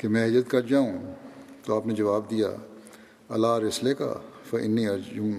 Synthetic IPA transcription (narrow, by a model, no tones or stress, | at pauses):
kemɛ̃ːɦɪd͡ʒɾət̪kɐɾd͡ʒaːũːt̪oaːpned͡ʒɐʋaːbd̪ija̰ː | ɐlaːɾɪsleka̰fɐʔɪ̰nːiɐɾd͡ʒuːm